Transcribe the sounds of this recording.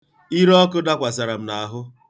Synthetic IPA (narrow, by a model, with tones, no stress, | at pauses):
i˦ɾɔ˦kʊ˦da˦kʷa˨sa˨ɾa˨m̩˨na˨a˨ɦʊ˦